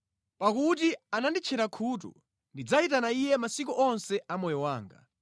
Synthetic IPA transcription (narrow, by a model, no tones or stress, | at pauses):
pakut̬ianandit͡ʃʰɛɾakʰuːt̬ṵ | ndid͡zaitanaijɛmasik̬uʔɔnsɛʔamɔjɔwaːŋɡa̰